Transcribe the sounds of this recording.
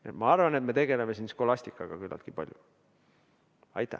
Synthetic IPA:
et̪mɑɑrvɑnet̪me̞t̪e̞ɡ̥ele̞mesinsko̞lɑsʲt̪ikːˑɑɡ̥ɑkylːɑ̰lt̪kipɑlʲjṵ | ɑ̰jt̪ːˑæ̰

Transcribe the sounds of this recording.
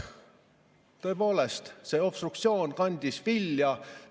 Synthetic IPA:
t̪ø̞epo̞ːle̞st̪se̞ːo̞pst̪rukt̪sio̞ːnkɑnʲd̪̥ʲisviljɑ

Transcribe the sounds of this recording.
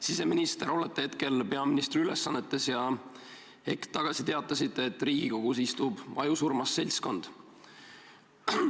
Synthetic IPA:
sise̞minist̪eɾo̞let̪ːˑehe̞t̪ke̞lpe̞ɑminist̪riyle̞sːɑnːe̞t̪ːe̞sjɑ | hekt̪ːɑɡ̥ɑsit̪e̞ɑt̪ːˑɑsit̪ˑːe̞ːt̪ːˑriːɡ̥iko̞ɡ̥us̬ist̪ub̥ʔɑ̰jusurmɑsːe̞lʲsko̞nd̪̥

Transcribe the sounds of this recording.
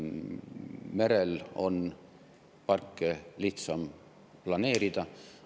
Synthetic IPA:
meɾelo̞n | pɑrkːeliht̪sɑm | plɑne̞ːɾid̪̥ɑ

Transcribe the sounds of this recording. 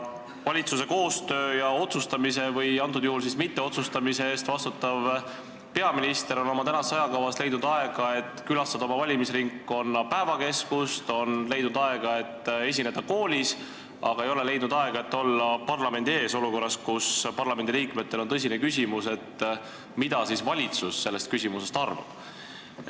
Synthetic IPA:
vɑlʲit̪suse̞ko̞ːst̪ø̞ːjɑo̞t̪sust̪ɑmise̞vɤjɑnt̪̬ːˑud̪juhuls̬ismit̪ːe̞o̞t̪sust̪ɑmiseeːst̪vɑst̪ut̪ːˑɑv | pe̞ɑminist̪e̞ɾo̞no̞mɑt̪ænɑsɑjɑkɑvɑst̪le̞jd̪nud̪ɑe̞ɡ̥ɑe̞t̪ːˑkylɑst̪ɑd̪ɑo̞mɑvɑlʲimisriŋkːo̞nːɑpæevɑke̞skust̪o̞nle̞jd̪nud̪ɑe̞ɡ̥ɑe̞t̪ːe̞s̬ʲine̞d̪̥ɑkoːlʲis | ɑɡ̥ɑe̞jo̞le̞le̞jd̪nud̪̥ɑeɡ̥ɑe̞t̪ːo̞lːɑpɑrlɑme̞nd̪ie̞ːso̞luko̞rːɑskuspɑrlɑme̞nd̪iliːkme̞t̪ːe̞lo̞nt̪ɤs̬ʲinekysʲimuse̞t̪ː | mid̪̥ɑsisvɑlʲit̪susːe̞lːe̞st̪kysʲimuse̞st̪ɑrvɑ̰b̥

